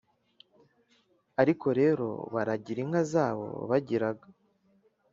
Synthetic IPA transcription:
aɾikʰo̞ɾe̞ːɾo̞̰βaɾaɟiɾiŋazaːβo̞̰βaɟiɾaɡa

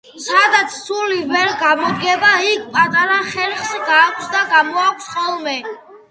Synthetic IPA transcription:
sad̪at̪sʰsulivɛɾɡamɔd̪ɡɛbaikʰpʼat̪ʼaɾaχɛɾχsɡaːkʷʰsd̪aɡamɔakʷʰsχɔlˠmɛ

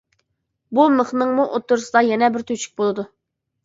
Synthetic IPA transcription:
buməχnɨŋmuʔot̪ːʊɾsɨd̪ɑjɛnɛbɪɾt̪ʰøt͡ʃʰy̥k̚ʲbolˠɨd̪u

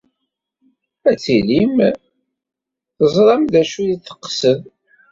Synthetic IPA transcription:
æt͡sːilim | θəzˤɾˤɑmðæʃuðiθə̥qːsəð

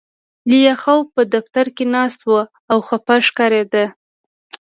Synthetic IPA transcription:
lijaxawpəd̪aft̪aɾkenɑst̪wə | awxapaʃkɑɾed̪ə

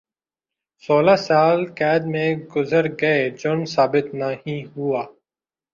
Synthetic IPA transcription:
soːlaːsaːlkɛːd̪mẽːɡʊzəɾɡəeːd͡ʒʊnsaːbɪt̪nahĩːɦuaː

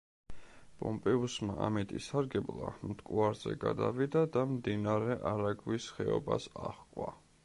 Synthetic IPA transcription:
pʼɔmpʼɛusmaʔamɛt̪ʼisaɾɡɛblˠamt̪ʼkʼuaɾz̥ɛ̰ɡad̪avid̪ad̪amd̪inaɾɛʔaɾaɡvisχɛɔbasaχkʼwa

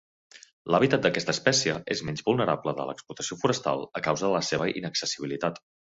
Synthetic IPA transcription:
ləβ̞it̪at̪̚d̪əkɛst̪əspɛsiəʔezmɛnzβulˠnəɾabləðə̰lə̰ksplut̪ə̥siofuɾəst̪a̰lˠəkawzəðələseβəʔḭnəksəsiβ̞ilit̪at̪

